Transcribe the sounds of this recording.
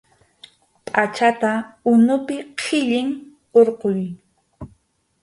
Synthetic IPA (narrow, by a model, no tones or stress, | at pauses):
pʼat͡ʃat̪aʊnʊpɪqʰɪʎɪŋ | oɾqoj